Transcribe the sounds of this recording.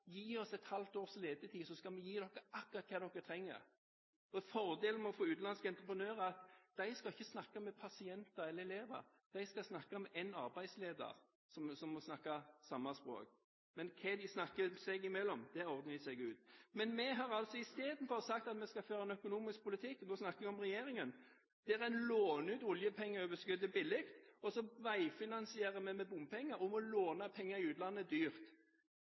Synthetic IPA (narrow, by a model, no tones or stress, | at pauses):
jiːɔsɛt̪hɑlt̪oːʁsleːd̪ət̪ʰiːsɔskɑlmɛjiːd̪ɔkːəʔɑkːʊʁɑt̪̚kʰɑːd̪ɔkːət̪ʰɾɛŋːə̰ɾ | ɔfɔʁd̪eːlnmɔfoːʉːt̪lɑnskəɛnt̪ɾəpɾənøːɾəɑt̪d̪̥æɪskɑɪçːəsnɑkːɑmɛpʰɑsɪɛnt̪ɑɾɛləɛleːʋə̰ɾ | d̪̥æɪskɑsnɑkːɑmɛʔænɑɾbæɪd̪sleːd̪ə̰ɾ | sɔmsɔmːɔsnɑkːɑsɑmːɑspɾo̰ːk̚ | mɛnkʰɛd̪ɪsnɑkːəsɛɡɪmɛlːɔmd̪̥ɛɔʁd̪əsɛɪɡʉːt̪mɛnmɛɦɑʁɑlt̪sɔɪst̪eːd̪n̩fɔʁsɑk̚t̪ɑt̪mɛskɑføːɾɑɛnœkʊnuːmɪsk̚pʰʊlɪt̪ʰɪkːɔd̪oːsnɑkːəɛɡɔmʁɛjeːɾɪŋən | d̪̥ɛæɾæɪnloːnʉːt̪ʊljəpʰɛŋːəɔbəskʏd̪əbɪlːɪkt̪ɔsɔʋæɪfɪnɑnsɪeːʁəmɛmɛbʊmpʰɛŋːəɾʊmɔloːnɑpʰɛŋːɑɾɪʉːt̪lɑnːəd̪yːʁt̪